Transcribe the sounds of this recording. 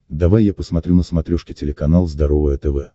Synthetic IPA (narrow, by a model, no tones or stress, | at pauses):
d̪ɐvajːapəsmɐt̪ɾʲunəsmɐt̪ɾʲuʂkʲɪtʲɪlʲɪkɐnalˠzd̪ɐɾovəjət̪ɛvɛ